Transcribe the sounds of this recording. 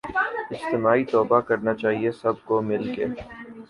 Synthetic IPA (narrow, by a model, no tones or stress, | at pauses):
ɪd͡ʒt̪ɪmaːit̪ɔːbakɐɾnat͡ʃaːɦiesɐb̚komɪlkḛː